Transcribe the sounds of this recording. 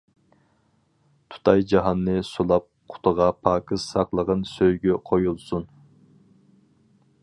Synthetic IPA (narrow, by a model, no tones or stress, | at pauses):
t̪ʰu̥t̪ʰɑjd͡ʒɑɦɑnːɨsolˠɑp̚qʰʊ̥t̪ʰʊʁɑpʰɑːkʰɨz̥sɑqlˠəʁənsøjɡʲɛqʰojulˠsun